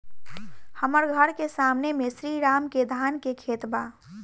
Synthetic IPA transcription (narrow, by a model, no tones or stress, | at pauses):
həməɾɡʱəɾkesaːmnemẽsɾiːɾaːmked̪ʱaːnkekʰeːt̪baː